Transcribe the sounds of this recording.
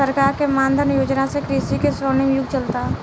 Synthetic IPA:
əɾkaːɾkemãːnd̪ʱəɾnjoːd͡ʒnasekɾiːsikesɔːnɪmjʊɡ̚ʱt͡ʃəlt̪a

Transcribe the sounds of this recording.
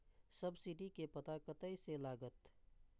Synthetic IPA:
səbsɪɖikepɐt̪akət̪əiselaːɡət̪

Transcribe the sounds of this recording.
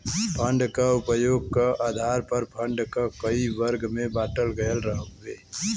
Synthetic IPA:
pʰə̃ɳɖkaʊpəjoːɡ̚kaaːd̪ʱaːɾpəɾpʰə̃ɳɖkakəiʋəɾɡmẽbaːʈəlɡəəlɾəɦəeː

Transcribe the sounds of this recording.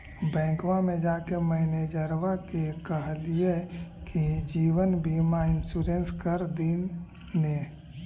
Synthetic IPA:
bɛ̃ːkwãmẽd͡ʒaːkeməɦned͡ʒəɾʋakekəɦlijekid͡ʒiːwənbʱiːmaɪnsuɾenskəɾd̪inː | e

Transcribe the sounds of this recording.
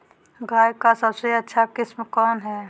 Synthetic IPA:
ɡʱaːjkasəbseətːʃʰakɪsmkɔːnɦɛː

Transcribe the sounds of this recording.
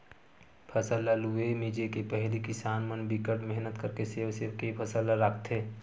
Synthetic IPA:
pʰəsəlːaluemid͡ʒekepɛɦlikɪsaːnmənbikəʈmɛɦnət̪kəɾkeseːʋseʋkepʰəsəlaɾakʰt̪ɦeː

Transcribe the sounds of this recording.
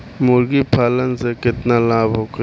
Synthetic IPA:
mʊɾɡipʰaːlənsekɪt̪nalaːbʱɦok

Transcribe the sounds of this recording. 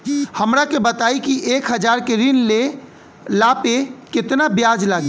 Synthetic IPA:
həmɾakebət̪aikiʔekɦəd͡ʒaɾkeɾinle | lapekɪt̪nabjad͡ʒlaɡe

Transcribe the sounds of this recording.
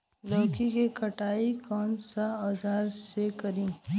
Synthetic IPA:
lɔːkikekəʈaːikɔːnsaɔd͡ʒaːɾsekəɾĩː

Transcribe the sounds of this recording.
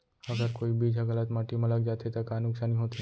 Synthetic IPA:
ɐɡəɾkoːibʱid͡ʒəɡələt̪maːʈimɐ̃ləɡd͡ʒaːt̪et̪ɐkaːnʊkʃanĩɦoːt̪i

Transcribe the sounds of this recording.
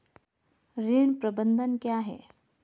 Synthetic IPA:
ɾiɳpɾəbənd̪ʱənkjaɦḛ

